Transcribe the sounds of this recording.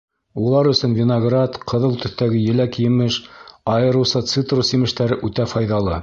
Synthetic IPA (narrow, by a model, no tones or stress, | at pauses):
ulˠɑɾɵ̆sɵnvʲɪnoɡrat̪qɤ̆ðɤlˠt̪ɵ̆θt̪æɡɘjɘ̆lækjɘ̆mɘʃɑjɤ̆ɾɤ̆wsɤt̪sit̪rusimɘ̆ʃt̪æɾɘʔʉt̪æfɑjðɑlˠɤ